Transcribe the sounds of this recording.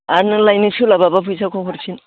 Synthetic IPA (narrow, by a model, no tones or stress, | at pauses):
aɾnɯlajnɯsulababapʰujsʰakʰɔkʰɔɾsʰin